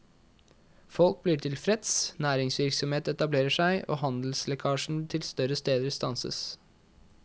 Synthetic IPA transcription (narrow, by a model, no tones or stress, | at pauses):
fɔlk̚bliːʈʰɪlfɾɛt̪snæːɾɪŋsʋɪɾksɔmheːt̪ɛt̪ɑbleːɾəʂæɪʔo̰ːhɑnd̪l̩slɛkʰɑːʂn̩t̪ʰɪlst̪œɾəst̪eːd̪əɾst̪ɑnsə̰s